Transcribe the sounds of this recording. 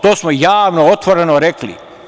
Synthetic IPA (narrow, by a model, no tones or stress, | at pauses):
t̪oːsmojaːʋnoot̪ʋoɾenoɾeklḭ